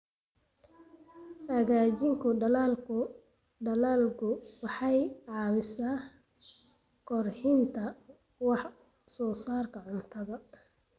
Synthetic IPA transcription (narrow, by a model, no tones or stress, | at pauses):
hɐɣaːt͡ʃɪŋkʰʊɖɐlaːlkʊ | ɖɐlaːlkʰʊwɑħɑjʕɑːwɪsaː | kʰɔrħɪnt̪ʰɐ | wɑħ | sɔːsaːrkʰɐʕʊnt̪ʰɐðɐ